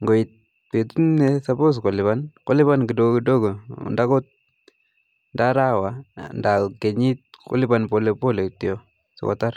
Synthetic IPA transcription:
ŋɡo˨i˨t̚ | pe˨tu˦nɛsa˨bo˦s̬ko˨lɪ˨ba˦nko˦lɪ˦ba˦nki˨do˦ɡki˨do˦ɡo̰˨nda˦ko˦t̚ | nda˦ɾa˦wa˨nda˨ke˨ɲi˦t̚ko̰˦lɪ˦ba˨npo˨lepo˦le˨kti˨o˨ | so̰˨ka̰˨ta˦ɾ

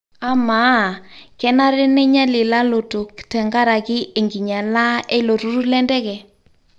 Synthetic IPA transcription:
a˨˦ma˨˦˨kɛ˦na˦ɾɪ˦nɛ˦ɲa˦lɪ˨la˦lo˨to˨ktɛ˨ŋɡa˦ɾa˨kɪ˦e˨ŋɡi˨ɲa˨la˦e˦lo˨ɾu˦ɾu˦lɛ˦ndɛ˦kɛ˨

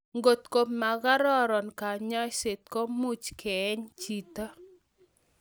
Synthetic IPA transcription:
ŋɡo˨t̪ko˨ma˨ɡa˦ɾɔ˦ɾɔ˨nka˨ɲɔ˦jse˨t̪̚ko˦mu˦t͡ʃkʰɛ˨˦ɲt͡ʃi˨t̪ɔ˦

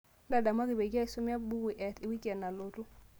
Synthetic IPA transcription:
nda˨da˨ma˦kɪ˨be˨ɡi˦a˦i˨su˦mja˦bu˦i˨ʔɛ˨tɪ˨wi˦kɛ˨nːa˨lo˨tu˦

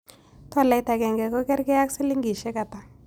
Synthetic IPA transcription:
tɔ˦la˨jta˨kɛ˨ŋɡɛ˨kɔ˦kɛ˦ɾkɪ˦a˦ksɪ˦li˦ŋɡi˨ʃɛ˦ka˨ta˨

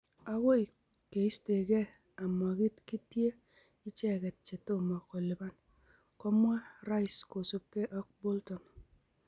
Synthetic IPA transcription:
a˦wo˦i˨ | ke˨i˦ste˨ke˦ | a˨mɔ˨ki˦tki˦tje˦ | i˦t͡ʃɛ˦kɛ˨t̚t͡ʃe˨to˦ma˨ko˨lɪ˨ba˦n | kɔ˦mwa˦ɾa˦ɪ˨sko˨su˦p̚ke˦ʔɔ˦k̚bo˦ltɔ˨n

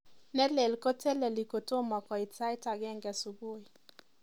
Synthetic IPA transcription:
nɛ˦lɛ˨lkɔ˦tɛ˦lɛ˨li˨ko˨to˦ma˨kwa˨i˨ta˦jta˨ɡɛ˦˨ŋɡɛ˨su˨bo˦˨i˨

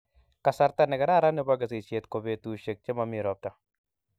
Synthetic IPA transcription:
ka˨sa˨ɾt̪a˦nɛ˨ɡɛ˨ɾa˦ɾa˦ne˦ba˦ɡa˨se˨t͡ʃe˨t̪ko˨be˨t̪u˨ʃe˨k̚t͡ʃe˦ma˨mi˨ɾɔ˦p̚t̪a˨

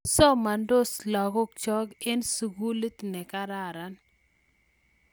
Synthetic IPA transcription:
sɔ˦ma˨ndo˦slɔ˨ɡɔ˦k̚t͡ʃɔ˦ɡe˦nsu˨ɡu˦li˦tnɛ˨ka˦ɾa˦˨ɾa˨n

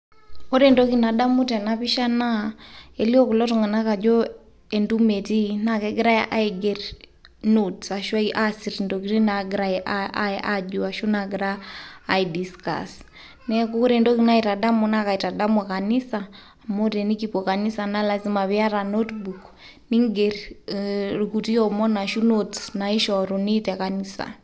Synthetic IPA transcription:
ɔ˦ɾɛndɔ˦ki˨na˨ɗa˦mu˦tɛ˨na˦βi˦ʃa˦na˦ɛ˨li˦ɔ˦ku˨lɔ˦tɔ˨ŋɛ˨na˦ka˨d͡ʒɔ˦ | ɛ˨ndumɛ˨ti˦na˦kɛ˦ɡɛ˦ɾa˦ja˦ʔa˦iɡɛr | notsa˨ʃwa˦iʔasi˨ɾindɔkiɾi˦na˨ɡɾaɛʔaʔaʔa˦d͡ʒua˨ʃu˦naɡi˨ɾaː˦˨idiska̰s | nɛku˦ku˦ɾɛndɔ˦kina˦ita˨da˦mɔna˦ka˨ita˨ɗa˦mɔka˨ni˦saː | moɾɛni˦kipɔka˨ni˦sana˦la˨zi˦maβia˦ɾanotbuk | niŋɡer | ɾukuti˦ɔmɔ˦na˨ʃu˦notsnai˦ʃɔɾunitɛkanisa̰

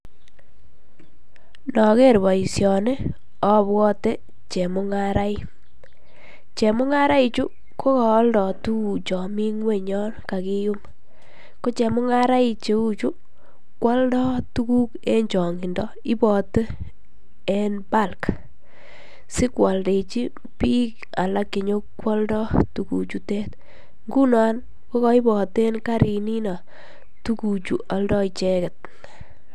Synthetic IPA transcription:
nɔ˨ke˦˨ɾbɔ˨i˨sjɔ˨ne˦ | ɔ˦bwɔ˦te˦ | t͡ʃe˨mʊ˦ŋa˦ɾa˦i˦ | t͡ʃe˨mʊ˦ŋa˦ɾa˦i˨t͡ʃu˦ | ko˦ka˨˦ldɔ˨tu˦u˨t͡ʃɔ˨mi˦ŋwe˦˨ɲɔ˦nka˨ki˦jʊ˦m | ko˦t͡ʃe˨mʊ˦ŋa˦ɾa˦i˨t͡ʃe˨u˦t͡ʃu˦ | kwɔ˦ldɔ˦tu˦ku˦ke˦ɲt͡ʃɔ˨ŋɡi˨ndɔ˦ | ɪ˦bɔ˨tə˦ | ɛ˦nba˦˨lk | sɪ˦kwa˨lde˨t͡ʃi˦ | pi˦k | a̰˨la˦kːe˨ɲo˦kwɔ˦ldɔ˦tu˨kṵ˨t͡ʃu˦tɛ˦t | ŋɡu˦na˨˦n | ko˦kɔ˦i˦bɔ˨te˦nka˦ɾi˨ni˦na˨ | tu˦ku˨t͡ʃu˨ʔa˨˦ldɔ˦i˨t͡ʃe˦kɛ˨t̚

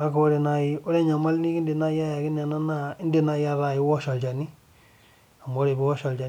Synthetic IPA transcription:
a˦kwɔ˦ɾe˨na˨ji˦ɔ˦ɾɛ˦ɲa˨ma˦lni˦ki˦ndi˨na˦ja˦ja˨ki˦na˨na˦na˦ɪ˦ndi˨na˦ja˦ɾa˨i˦wɔ˦ʃa˨lt͡ʃa˨ni˦ | a˨mo˦ɾe˨bi˦wɔ˦ʃa˨lt͡ʃa˨

